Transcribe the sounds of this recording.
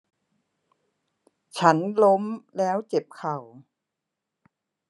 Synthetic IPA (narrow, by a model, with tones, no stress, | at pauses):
t͡ɕʰa˦˥nlo˦˥mlɛː˦˥wt͡ɕe˨˩p̚kʰa˨˩w